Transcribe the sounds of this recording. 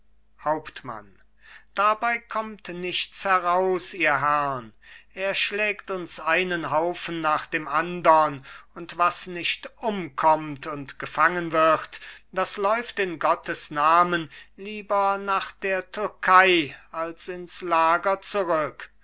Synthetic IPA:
haʊptma̰n | d̥abaɪkʰɔmtnɪçt͡shɛʁaʊsiːɐɦɛʁɐnʔeːɐʃlɛːktʊnsʔaɪnənɦaʊfn̩ːaːχd̥eːmʔandɐnʊntv̥asnɪʃtʔʊmkʰɔmtʊntɡ̥əfaŋənvɪʁtd̥aslɔʏftɪnɡɔtʰəsnaːmənliːbɐnaːχd̥eːɐtʰʏɐkʰaɪalsɪnslaːɡɐt͡suʁʏk

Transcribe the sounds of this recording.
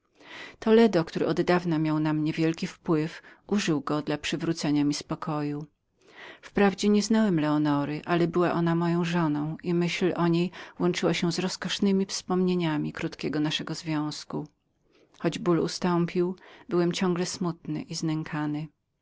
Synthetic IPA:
t̪ɔlɛd̪ɔk̚t̪uɾɘ̰ʔɔd̪ːavnamʲjawnamɲɛvʲjɛlkʲifpwɘfuʐɘwɡɔd̪lapʂɘvɾut̪sɛɲamʲispɔkʰɔju | fpɾavd͡ʑɛɲɛznawɛmlɛɔnɔɾɘʔalɛbɘwaʔɔnamɔjɔ̃w̃ʐɔnɔ̃w̃ʔimɘɕlʔɔɲejwɔnt͡ʂɘwaɕɛzɾɔskɔʂnɘmʲifspɔmɲeɲamʲikɾut̪kʲɛɡɔnaʂɛɡɔzvʲjɔ̃w̃sku | xɔd͡ʑbulṵst̪ɔmpʲiwbɘwɛmt͡ɕɔ̃ŋɡlɛsmut̪nɘ̰ʔiznɛŋkʰanɘ

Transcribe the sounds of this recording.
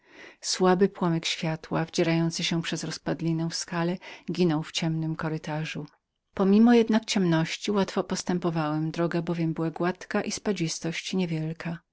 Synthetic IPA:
swabɘpwɔmɛkɕfʲjat̪wavd͡ʑɛɾajɔnt̪sɘɕɛpʂɛzɾɔspad̪lʲinɛ̃w̃fskalɛɡʲinɔwft͡ɕɛmnɘmkɔɾɘt̪aʐu | pɔmʲimɔjɛd̪nak̚t͡ɕɛmnɔɕt͡ɕiwat̪fɔpɔst̪ɛmpɔvawɛmd̪ɾɔɡabɔvʲjɛmbɘwaɡwat̪kaʔispad͡ʑist̪ɔɕt͡ɕɲɛvʲjɛlkʰa

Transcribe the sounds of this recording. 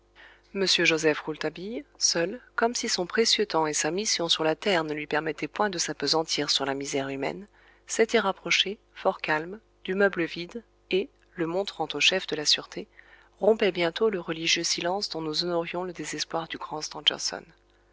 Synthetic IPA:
məsjøʒozɛfʁult̪abijsœlkɔmsisɔ̃pχesjøt̪ɑ̃esamisjɔ̃syʁlat̪ɛʁnəlɥipɛʁmɛt̪ɛpwɛ̃d̪əsapəzɑ̃t̪ʰiʁsyʁlamizɛʁymɛ̰n | set̪ɛʁapχɔʃe | fɔʁkalm | d̪̥ymœbləvid̪ | e | ləmɔ̃t̪χɑ̃t̪oʃɛfd̪əlasyʁt̪ʰe | ʁɔ̃pɛbjɛ̃t̪oləʁəliʒjøsilɑ̃sd̪ɔ̃nuzɔnɔʁjɔ̃ləd̪ezɛspwaʁd̪yɡʁɑ̃st̪ɑ̃dɛ̰ʁsɔ̰n

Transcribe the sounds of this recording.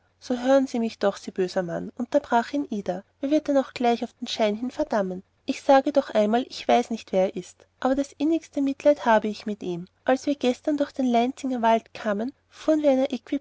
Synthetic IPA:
soːɦøːʁənziːmɪçd̥ɔχsiːb̥øːzɐma̰nʔʊntɐbʁaːχiːnʔiːdɐʔɛːɐvɪɐt̚dɛnaʊxɡ̥laɪçaʊfd̥enʃaɪnɦɪnfɛɐd̥amən | ʔɪçsaːɡədɔχʔaɪnmaːlʔɪçv̥aɪsnɪçtv̥eːɐeːɐʔɪst | ʔaːbɐɾasʔɪnɪçstəmɪtlæɪthaːbəɪçmɪtʔiːmʔalsv̥iːɐɡɛstɐndʊɐxd̥eːnlɛɪnt͡sɪŋɐvaltkʰaːmən | fuːʁənviːɐɛɪnɐʔekv̥i

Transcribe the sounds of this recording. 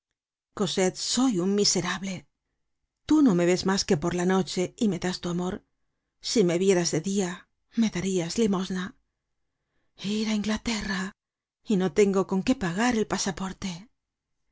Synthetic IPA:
ko̞se̞t̪so̞juŋmise̞ɾaβle̞ | t̪uno̞me̞βe̞zmaske̞po̞ɾlano̞t͡ʃe̞ime̞ðast̪uamo̞ɾ | sime̞βje̞ɾazðe̞ðia | me̞ðaɾiazlimo̞zna | iɾaiŋɡlat̪e̞ra | ino̞t̪e̞ŋɡo̞ko̞ŋke̞paɣaɾe̞lpasapo̞ɾt̪e̞

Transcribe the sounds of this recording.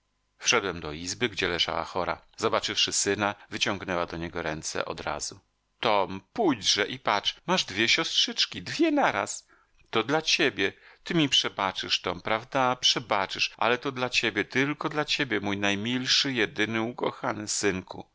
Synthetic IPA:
fʂɛd̪wɛmd̪ɔizbɘɡd͡ʑɛlɛʐa̰wa̰xɔɾa̰zɔbat͡ʂɘfʂɘsɘnavɘt͡ɕɔŋɡnɛwad̪ɔɲɛɡɔɾɛnt̪sɛ̰ʔɔ̰d̪ɾa̰z̥u | t̪ɔmpujd͡ʑʐɛʔipat͡ʂmaʐd̪vʲjɛɕɔstʂɘt͡ʂkʲid̪vʲjɛnaɾa̰s | t̪ɔd̪lat͡ɕebʲjɛt̪ɘmʲipʂɛbat͡ʂɘʂt̪ɔmpɾavd̪apʂɛbat͡ʂɘʂʔa̰lɛt̪ɔd̪lat͡ɕebʲjɛt̪ɘlkɔd̪lat͡ɕebʲjɛmujnajmʲilʂɘjɛd̪ɘnɘukɔxanɘsɘŋku

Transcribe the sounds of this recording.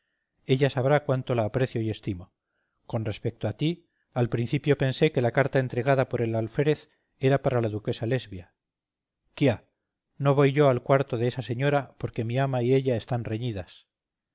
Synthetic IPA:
e̞ʎasaβ̞ɾakwant̪o̞laːpɾe̞θjo̞ie̞st̪imo̞ | ko̞nre̞spe̞k̚t̪oat̪i | alpɾin̟θipjo̞pe̞nse̞ke̞lakaɾt̪ae̞nt̪ɾe̞ɣ̞aðapo̞ɾe̞lalfe̞ɾeθ | e̞ɾapaɾalaðuke̞sale̞zβja | kja | no̞β̞o̞jʝo̞alkwaɾt̪o̞ðeesase̞ɲo̞ɾapo̞ɾke̞miamaie̞ʎae̞st̪anre̞ɲiðas

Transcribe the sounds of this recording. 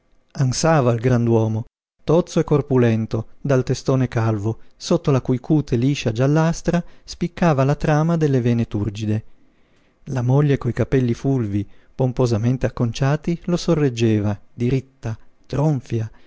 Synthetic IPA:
ansaːvailɡɾand̪wɔːmo | t̪ot̪sːoekːorpulɛnt̪od̪alt̪est̪oːnekalvosot̪ːolakujkʰuːt̪ʰeliːʃad͡ʒalːast̪ɾaspikːaːvalat̪ɾaːmad̪elːeveːnet̪urd͡ʒid̪e | lamoʎːekojkapɛlːifulvipompozament̪eakːont͡ʃaːt̪ilosorːed͡ʒːeːvad̪iɾit̪ːat̪ɾoɱfja

